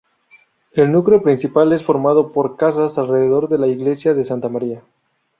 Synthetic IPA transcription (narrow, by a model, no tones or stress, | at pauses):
e̞lnukɾeopɾinsipale̞sfo̞ɾmað̞o̞po̞ɾkas̬asalre̞ðeðo̞ɾðe̞laiɣle̞sjaðe̞sant̪amaɾia